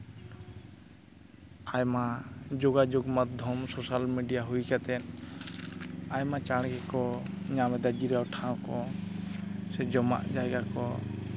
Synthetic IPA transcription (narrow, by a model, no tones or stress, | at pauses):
ajmad͡ʒoɡad͡ʒɔɡmat̪̚d̪ʱɔmsɔsalmiɖijaɦujkat̪ɛn | ajmat͡ʃaɽɡɛkɔɲamɛd̪ad͡ʒiɾawʈʰãw̃kɔ | sɛd͡ʒɔma̰ʔd͡ʒajɡakɔ